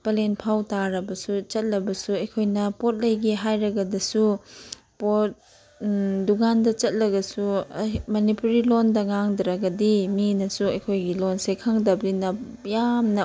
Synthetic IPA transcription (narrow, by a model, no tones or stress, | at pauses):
pɐlenpʰawtaɾɐbɐsut͡ʃɐt̚lɐbɐsuɐjkʰojnɐpot̚lɐjɡiɦajɾɐɡɐdɐsu | pot̚ | dukandɐt͡ʃɐt̚lɐɡɐsumɐnipuɾilondɐŋaŋdɾɐɡɐdiminɐsuɐjkʰojɡilonsekʰaŋdɐblinɐjamnɐ